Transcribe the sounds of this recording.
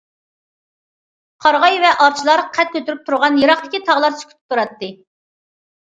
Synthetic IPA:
qʰɑɾʁɑjvɛʔɑɾt͡ʃʰilˠɑɾqʰæt̪̚kʲʰøt̪yɾyp̚t̪ʰuɾʁɑnjeɾɑχt̪ɪ̥kʲit̪ʰɑʁlˠɑɾsʰy̥kʲy̥t̪ʰyp̚t̪ʰuɾɑt̪ːɨ

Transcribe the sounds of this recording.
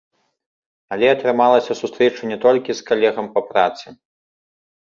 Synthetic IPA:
ɐlʲɛɐt̪ɾɨmalˠɐsʲɐsust̪ɾɛt͡ʂɐnʲɛt̪ɔlʲkʲiskalʲɛɣɐmpɐpɾa̰t̪sɨ

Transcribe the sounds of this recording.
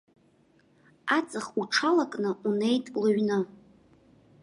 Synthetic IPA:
at͡sʼɨχuʈ͡ʂʰalakʼnɨunejtʼlɨɥnɨ

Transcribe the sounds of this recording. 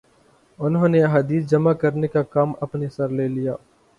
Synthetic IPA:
ʊnɦõːneɐɦaːd̪iːsd͡ʒɐmakɐɾnekakaːmɐpnesɐɾleːlijaː

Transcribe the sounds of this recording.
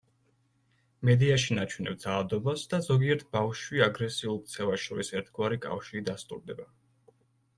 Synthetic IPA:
mɛd̪iaʃinat͡ʃʰwunɛ̰bd̪zalˠad̪ɔbasd̪azɔɡiɛɾt̪ʰbafʃwiaɡɾɛsiulˠk̚t̪sʰɛvaʃɔɾisɛɾt̪ʰɡwaɾikʼa̰fʃiːd̪ast̪ʼṵɾd̪ɛba

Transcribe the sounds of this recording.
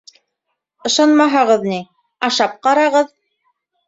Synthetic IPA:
ɤ̆ʃɑnmɑɦɑʁɤðni | ɑʃɑp̚qɑɾɑʁɤð

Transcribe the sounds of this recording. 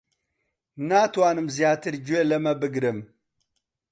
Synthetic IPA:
naːt̪waːnɨmzjaːt̪iɾd͡ʑwelɐmɐbəɡɾəm

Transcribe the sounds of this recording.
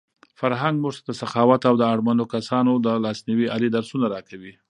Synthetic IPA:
faɾɦaŋɡmuʐt̪ad̪əsaxɑwat̪awd̪əaɽmand̪okasɑnod̪əlɑsniwiʔalid̪aɾsunaɾɑkawi

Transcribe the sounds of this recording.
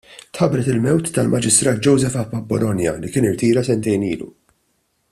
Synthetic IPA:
t̪ħɐbɾɛt̪ɪlmɛwt̪ːɐlmʔɐd͡ʒɪst̪ɾɐːt̪̚d͡ʒɔwzɛfɐpːɐbːɔlɔnjɐ̰likɪːnɪɾt̪iːɾɐsɛnt̪ɛjnḭːlṵ

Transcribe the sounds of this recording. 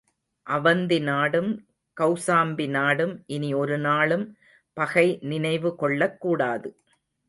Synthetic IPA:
ʔɐʋɐnd̪ɪnaːɽɯm | kɐʊsaːmbɪnaːɽɯmʔɪniɔɾɯnaːɭɯm | pɐɣɐɪnɪnɐɪʋɯkɔɭːɐkːuːɽaːðɯ

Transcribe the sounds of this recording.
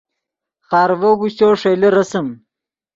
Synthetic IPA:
χɑːɾvoɡuɕoːʂejleɾɐsɐm

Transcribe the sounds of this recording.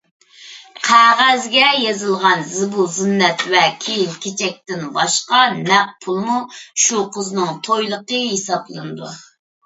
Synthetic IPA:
qʰæʁæzɡʲɛjezɨlˠʁɑnzɨbuzinːɛt̪vɛkʲʰijilkʲʰet͡ʃʰɛk̚ʲt̪ɪnbɑʃqɑnɛq̚pʰulˠmuʃuqʰəznɨŋt̪ʰojlˠəqəɦesɑplˠɨnɨd̪u

